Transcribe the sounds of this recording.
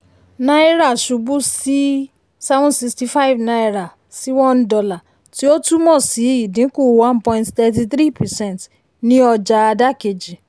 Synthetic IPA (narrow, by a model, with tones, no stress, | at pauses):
nã˦i˦ɾa˦˨ʃu˧bu˦si˦ | sa˦vɔ̃˦si˧ksti˧fa˦i˦˨vna˧i˦ɾa˨ | si˦wɔ̃˦ndɔ˧la˨ | ti˦o˦tu˦mɔ̃˦˨si˨˦i˦˨dĩ˨˦ku˦˨wã˦npɔ̃˧ĩ˧nttɛ˧t̬i˧θɾi˦˨pɛ˨sɛ̃˦˨nt | nĩ˦ɔ˧d͡ʒa˧a˧da˦ke˧d͡ʒi˨